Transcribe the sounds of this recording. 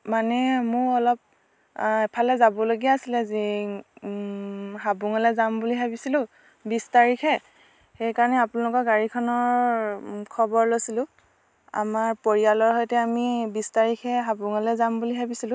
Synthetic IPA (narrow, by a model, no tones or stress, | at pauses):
manɛmʊɹɔlɔp̚ | ɛpʰalɛzabɔloɡiaasilɛzi | ɦabuŋɔlɛzambuliɦabisilʊ̃ | bistaɹikʰɛ | xejkaɹɔnɛapʊnalɔkɔɹɡaɹikʰɔnɔɹ | kʰɔbɔɹlojsilʊ̃ | a̰maɹpoɹialɔɹɦɔjtɛamibistaɹikʰɛɦabuŋɔlɛzambuliɦabisilʊ̃